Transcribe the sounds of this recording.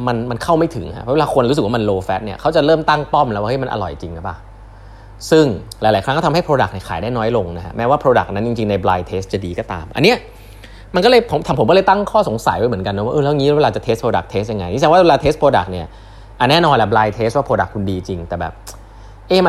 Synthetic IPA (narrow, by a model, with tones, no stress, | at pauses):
ma˧nma˧nkʰa˥˩wma˥˩jt̪ʰɯ˨˩˦ŋha̰˦˥ʔʰɔ˦˥we˧laː˧kʰo˧nɾu˦s̬k̚waː˥˧ma˧nloː˧fɛ˦˥t̪̚ni˥˩ɐkʰa˦˥wt͡ɕa˨˩ɾɤː˥˩mt̪a˥˩ŋt̪ɔ˥˩mlɛ˦˥waː˥˩ʔe˥˩ma˧nʔa̰˧lɔ̰˨˩jt͡ɕi˧ŋka˧˩pa̰ː˨˩ | sɯ˥˩ŋlaː˨˦jlːa˨˩˦kʰɾa˦˥kːt̪ʰha˥˩pʰɾoː˧da˨˩k̚ni˥˩kʰaː˩˦jdaː˥˩jnɔː˦˥jlo˧ŋna˦˥kʰa̰˦˥mɛː˦˥waː˥˩pʰɾoː˧da̰˨˩k̚na˦˥nt͡ɕi˧ŋt͡ɕi˧ŋna˧jblaː˧jt̪ʰeː˦˥st̪̚t͡ɕa˨˩diː˧kɔː˥˩t̪a̰ː˧mʔa̰˧nːi˦˥ɐ | ma˧nkɔ˥˩ɤː˧jpʰo˩˦mt̪ʰa˧mʰpo˩˦mkɔ˥˩ɤː˧jt̪a˥˩ŋkʰɔː˥˩so˨˩˦ŋsa̰˨˩˦jdwa˧jmɯ˩˦nka˧nːɔ˧˥wːʔɤː˧˩lɛː˦˥˩ŋi˦˥lɛ˦˥e˧a˧t͡ɕa˨˩t̪ʰe˦˥st̪pʰɾoː˧da˨˩k̚t̪ʰeː˦˥st̪̚ja˧ŋːa˧jʰi˦˥sʰa˧˥waː˥˩we˧laː˧t̪ʰeː˦˥st̪pʰoː˧da̰˨˩k̚ni˥˩ɐ | ʔa˨˩nɛː˥˩nɔː˧nlɛ˧˩blaː˧jt̪ʰeː˦˥st̪̚waː˥˩pɾoː˧da˨˩kʰːu˧ndiː˧t͡ɕi˧ŋt̪ɛː˨˩bɛ̰ː˨˩p̚ | ʔeː˧˩m˧